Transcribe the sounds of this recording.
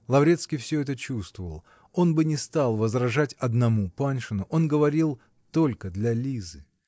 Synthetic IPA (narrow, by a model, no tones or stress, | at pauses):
lˠɐvɾʲe̞t̪skʲijfsʲɵɛt̪ət͡ɕust̪vəvəlˠ | o̞nbɨnʲɪst̪alˠvəzrɐʐatʲɐd̪nɐmupanʂɨnʊʔo̞nɡəvɐɾʲilˠ | t̪o̞lʲkəd̪lʲɐlʲizɨ